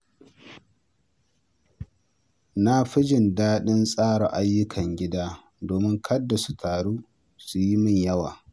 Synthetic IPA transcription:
na˦ɸɪ˦d͡ʒɪ˨ndaː˦ɗɪ˦nsʼaː˦ɽa˨ʔa˦jːʊ˦kʰɐ˨ŋɡʲɪ˦daː˦ | doː˨mɪ˦ŋkʰɐ˦dːa˨su̥˦tʰaː˨ɽuː˦ | su˨ji˦mɪ˦ɲjɐ˦waː˨

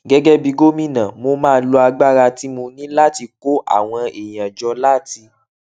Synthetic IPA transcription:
ɡɛ˧ɡɛ˦bi˧ɡo˦mĩ˦nã˨mo˧mãː˦˨˧lo˧a˧ɡ͡ba˦ɾa˧ti˦mũ˧nĩ˦la˦˨ti˧ko˦ʔa̰˦˨w̃ɔ̃˧e˨j̃ã˨d͡ʒɔ˧la˦˨ti˧

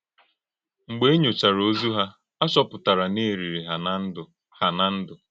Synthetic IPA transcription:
ŋ͡m̩˨ɡ͡be˦e˦ɲo˨t͡ʃa˨ɾo˦zu˦ɦa˦ | a˦t͡ʃɔ˦pʊ˨ta˨ɾa˨ne˦˨ɾi˨ɾi˨ɦa˨n˦n̩˦dʊ˨ | ha˨na˦n̩˦dʊ˨

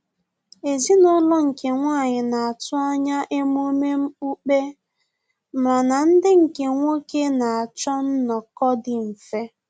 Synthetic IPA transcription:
e˨zi˦nʊ˦lɔ˦ŋ̩˨ke˨ŋʷa˦˨ɲɪ˨na˨a˨tʊ˦a˦ɲa˦ʔe˦m˦o˦me˦m̩˦u˦k͡pe˦ | m̩˨ɾa˨na˨n̩˦dɪ˦ŋ̩˨ke˨ŋʷo˦ke˦na˨a˨t͡ʃɔ˦n̩˦nɔ˨kɔ˦dɪ˨m̩˨fe˦

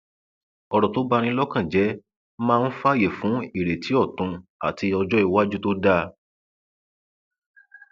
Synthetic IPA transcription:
ɔ˧ɾɔ˨to˨˦ba˦˧ɾ̃ĩ˧˦lɔ˦kã˦˨d͡ʒɛ˨˦ | mãː˦˧n̩˦fa˦˨je˨fũ˨˦i˦˨ɾe˨tʰi˨˦ɔ˦˨tũ˨˧a˨ti˧ɔ˧d͡ʒɔ˦i˧˨wa˦d͡ʒu˦to˦da˦

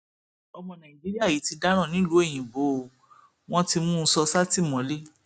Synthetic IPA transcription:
ɔ˧mɔ̃˧nã˨i˨d͡ʒi˦ɾi˦a˦˨ji˨˦ti˧da˦ɾ̃ã˦˨nĩ˦lu˨˦e˦˨j̃ĩ˨bo˨˦˧ | w̃ɔ̃˦ti˧mũ˦n̩˧˦sɔ˧sa˦ti˦˨mɔ̃˨˦le˦

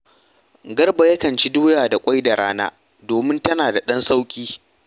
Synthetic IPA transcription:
ɡɐ˦rba˨jɐ˦kɐ˨nt͡ʃi˦duː˦jaː˨da˨kʷʼa˦jda˨ɽaː˦na̰ː˦ | doː˨mɪ˦ntɐ˦naː˨da˨ɗɐ˦nsa˦wkʲʼiː˦

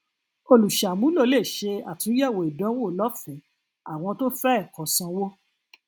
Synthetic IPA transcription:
o˧lu˨ʃa˨mũ˨˦lo˦˧˨le˦˨ʃe˧a˨tĩ˨˦jɛ˦˨wo˨i˨dɔ̃˨˦wo˦˨˦lɔ˦fɛ̃˨˦ | a˨w̃ɔ̃˧to˦fɛ˦ɛ˦˨kɔ̃˨˦sã˧wo˦

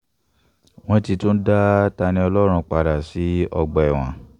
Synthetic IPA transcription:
w̃ɔ̃˦ti˧tõ˦n̩˦da˦ta˧nĩ˧ɔ˧lɔ˦ɾ̃ũ˧k͡pa˧ɾa˨si˨˦ɔ˧ɡ͡bɔ˨ɛ˨w̃ã̰˨˦

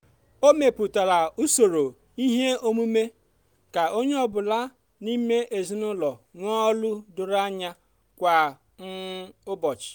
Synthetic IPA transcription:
o˦me˨pʊ˨ta˨la˨u˦so˨ɾo˨ | i˦ɦe˦o˦mu˦me˦ | ka˨o˦ɲe˦ɔ˦bʊ˨la˦ | ni˦me˦ʔe˨zi˦nʊ˦lɔ˨ŋʷɔ˦lʊ˦dʊ˨ɾa˦ɲa˦ | kʷa˨ | ŋ̩˦ʊ˦bɔ˨t͡ʃɪ̥˨

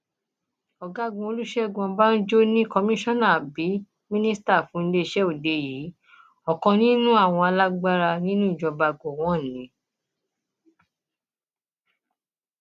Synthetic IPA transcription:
ɔ˨ɡa˨˦ɡũ˧o˧lu˦ʃɛ˦˨ɡũ˧ã˧ba˦n̩˦d͡ʒo˦nĩ˦kɔ˧mĩ˦ʃɔ̃˦na˨bi˨˦ | mĩ˦nĩ˦sta˦˨fũ˨˦n̩˦le˧˦i˧ʃɛ˦o˨de˧jiː˨˦ | ɔ˨kɔ̃˧nĩ˦nũ˦a˦˨w̃ɔ̃˧a˧la˦ɡ͡ba˦ɾa˧nĩ˦nũ˦i˦˨d͡ʒɔ˧ba˧ɡo˨w̃ɔ̃˦˨nĩ˨˦

